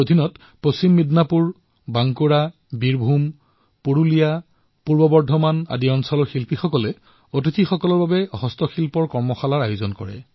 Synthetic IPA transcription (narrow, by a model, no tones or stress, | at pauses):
odʱinɔt | post͡ɕimːidnapuɹ | baŋkuɹa | biɹbʱum | puɹulija | puɹbɔbɔɹdʱɔmana̰diɔnsɔlɔɹxilpixɔkɔlɛ | ot̬itʰixɔkɔlɔɹbabɛɔɦɔstɔxʰilpɔɹkɔɹmɔxalaɹajozɔnkɔ̰ɹɛ̰